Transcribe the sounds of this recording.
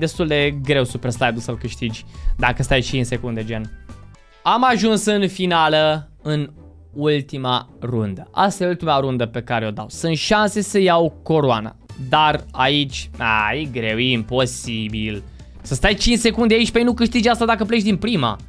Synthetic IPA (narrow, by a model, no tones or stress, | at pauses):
d̪e̞st̪uld̪e̞ɡɾe̞wsupe̞rslajd̪ulsəlkɨʃt̪id͡ʒʲd̪akəst̪ajt͡ʃint͡ʃse̞kund̪e̞d͡ʒen | amaʒunsɨnfinalə | ɨn | ult̪imarund̪əʔast̪ajeult̪imaɾund̪əpe̞kaɾeo̞d̪awsɨnt̪ʃanse̞səjawko̞ɾoana̰d̪arait͡ʃʲa̰jeɡɾe̞wjeimpo̞sibil | səst̪ajt͡ʃint͡ʃse̞kund̪eait͡ʃʲpejnukɨʃt̪id͡ʒast̪ad̪akəp̬let͡ʃd̪inpɾima̰